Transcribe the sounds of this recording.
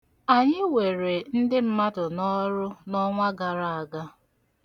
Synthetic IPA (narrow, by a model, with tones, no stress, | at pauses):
a˨ɲɪ˦we˨ɾe˨n̩˦dɪ˦m̩˦ma˦tʊ˨nɔ˦ɾʊ˦nɔ˦ŋʷa˦ɡa˨ɾa˨a˨ɡa˦